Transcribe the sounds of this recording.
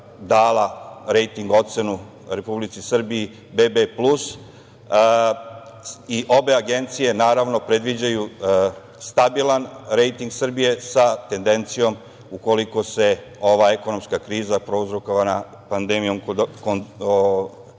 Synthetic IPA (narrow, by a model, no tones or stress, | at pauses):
d̪aːlaɾe̞jt̪iŋɡo̞t̪se̞nu | ɾe̞publit̪sisr̩biː | bebeplus | iʔo̞be̞aɡe̞nt̪sije̞naːɾaʋnopɾe̞d̪ʋid͡ʑaju | st̪abilˠanɾe̞jt̪iŋɡsr̩bije̞sat̪e̞nd̪e̞nt̪sijo̞m | uko̞liko̞se̞ | o̞ʋaːe̞ko̞no̞mskakɾiːzapɾo̞uzɾokoʋana | pand̪e̞mijo̞mkon